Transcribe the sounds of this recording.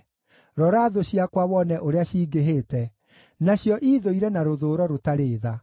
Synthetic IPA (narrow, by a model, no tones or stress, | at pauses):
ɾɔɾaːðoɕiakwawɔnɛʔoɾeaɕiːɡeɦeːtɛ | naɕjɔʔiːðoiɾɛnaɾoðoːɾɔɾotaɾeːða